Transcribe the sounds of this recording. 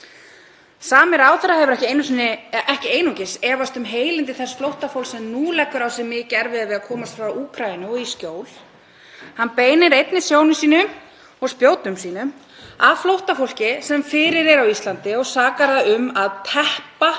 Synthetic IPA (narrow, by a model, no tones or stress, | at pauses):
saːmɪɾawθɛɾahɛvʏɾɛhcɪejnʏsnɪɛhcɪeːjnucɪsɛːvast̪ʏmɦeːjlɪnt̪ɪθɛsflowht̪afowlsɛmnuːlɛkːʏɾawsɛmɪcɛɾvɪðavɪðakʰɔːmast̪fɾawuːkʰɾajɪnʏɔɣiscoːwl | hanːpeːjnɪɾejt̪nɪsjoːwnʏsiːnʏm | ɔɣspjoːwt̪nʏmsiːnʏm | aðflowht̪afowl̥cɪsɛmfɪːɾɪɾɛɾawist̪lant̪ɪɔɣsaːkaɾðaðʏmaðt̪ʰɛhpa